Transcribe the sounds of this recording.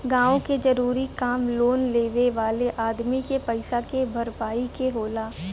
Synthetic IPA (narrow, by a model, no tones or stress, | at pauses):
ɡãːõked͡ʒɐɾuːɾikaːmloːnleːʋeʋaːleʔaːd̪mikepɐɪsakebʱɐɾpaːikeɦoːlaː